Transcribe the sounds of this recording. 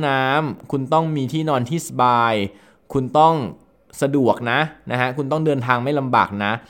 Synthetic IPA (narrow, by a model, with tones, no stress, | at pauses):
naː˦˥mkʰu˧nt̪ɔ˥˩ŋmiː˧t̪ʰiː˥˩nɔː˧nt̪ʰiː˥˩sa˧baː˧j | kʰu˧nt̪ɔ˥˩ŋ | sa˧du˨˩ək̚na˦˥ʔna˦˥kʰa˦˥kʰu˧nt̪ɔ˥˩ŋdɤː˧nt̪ʰaː˧ŋma˥˩jla˧mba̰ː˨˩k̚na˦˥ʔ